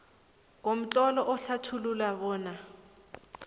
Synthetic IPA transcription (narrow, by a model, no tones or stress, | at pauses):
kʼom̩t͡ɬʼɔlɔʔʊɬatʰululaβɔːna